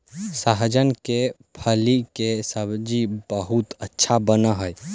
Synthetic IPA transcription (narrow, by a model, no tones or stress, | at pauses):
saɦd͡ʒənke | pʰəlikesəbd͡ʒibəɦut̪ətːʃʰabənəɦəj